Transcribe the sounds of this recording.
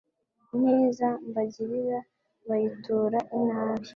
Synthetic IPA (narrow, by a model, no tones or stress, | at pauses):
neːzambaɟiɾiɾa | βajituːɾaʔinhaːβi